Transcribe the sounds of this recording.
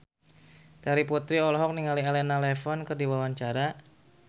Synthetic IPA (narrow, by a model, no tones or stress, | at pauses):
t̪aɾipɔt̪ɾiɔlɔɦɔk̚niŋalialɛnalɛfɔnkɨrdiwawaɲt͡ʃaɾa